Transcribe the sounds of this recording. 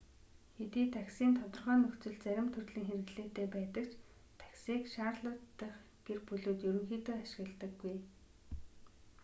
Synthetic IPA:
xet̪iːt̪ʰaksiːnt̪ʰɔt̪ɞ̆rχœːnɵxt͡sɵ̆ɮt͡sæɾʲɪ̆mt̪ʰɵrɮĭːŋxerɘ̆ɣɮeːt̪eːpæːt̪ə̆kt͡ɕ | t̪ʰḁksiːkʃaːrɮə̆t̪ːə̆χ | ɡ̥erpɵɮoːt̪jɵɾɵ̆ŋxiːt̪oːaʃɪ̆ɣə̆ɮt̪ə̆ɡːuj

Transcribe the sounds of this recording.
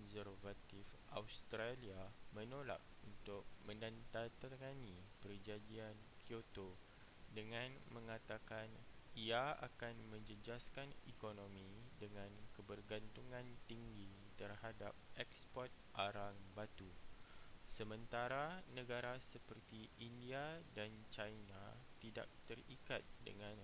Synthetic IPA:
kɔnsərvat̪ifʔawst̪ɾaliamə̃nola̰k̚unt̪ʊk̚mə̃ndant̪at̪ŋanipərd͡ʒadiankʰjot̪o | dəŋãnmə̃ŋat̪akaniaa̰kanmə̃ɲd͡ʒəd͡ʒaskanikonõmĩdəŋãnkəbərɡant̪uŋãnt̪iŋɡi | t̪ərhadap̚ʔɛkspɔrt̪̚ʔaɾaŋbat̪u | səmə̃nt̪aɾanə̃ɡaɾasəpərt̪iindiadant͡ʃajnat̪ida̰k̚t̪ərikat̪̚də̰ŋãn

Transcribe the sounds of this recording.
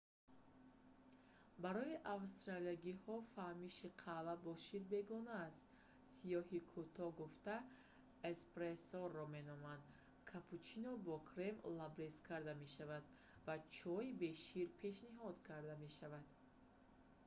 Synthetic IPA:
baɾɔiʔavst̪ɾaliaɡihɔfahmiʃiqʰalabɔʃiɾbe̞ɡɔnaːst̪ | sijɔhikʰut̪ʰɔɡuft̪a | espɾesɔrːɔme̞nɔmand̪ | kʰapʰut͡ʃinɔbɔkʰɾemlabɾeskʰaɾd̪ame̞ʃavad̪ | vat͡ʃʰɔibe̞ʃiɾpʰe̞ʃniɦɔd̪kʰaɾd̪ame̞ʃavad̪̥

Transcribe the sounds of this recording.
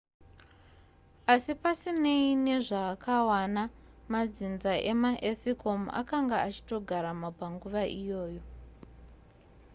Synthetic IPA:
asipasineine̞ʐaːkawana | mad͡zinzaʔe̞maʔesiko̞ma̰kaŋɡaat͡ʃi̥to̞ɡʱaɾamabʱaŋɡuʋaʔijo̞ːjo̞

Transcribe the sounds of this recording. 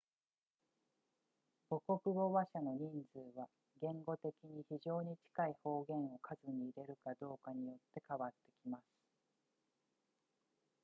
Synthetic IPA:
b̥o̞ko̞kɯ̟bo̞βaɕano̞ɲ̟ĩnd͡zɨːβa | ɡẽ̞ŋɡo̞t̪e̞kʲiɲ̟içiʑo̞ːɲ̟it͡ɕi̥kaiho̞ːɡẽ̞ɰ̃o̞kʰazɨɲ̟iːɾe̞ɾɯ̟kad̪o̞ːkaɲ̟ijo̞t̪ːe̞kaβat̪ːe̞kʲimasɨ̥

